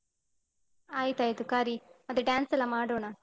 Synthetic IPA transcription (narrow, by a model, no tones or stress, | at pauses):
aːjt̪aːjit̪ukaːɾimɐt̪ːɾeɖaːnsɛlːɐmaːɽoːɳa